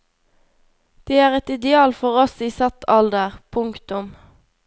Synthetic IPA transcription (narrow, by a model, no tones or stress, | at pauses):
d̪̥eːæːʁɛt̪ɪd̪ɛɑːlfɔʁɔsiːsɑt̪ʰɑld̪əʁpʰʊŋkt̪ʊm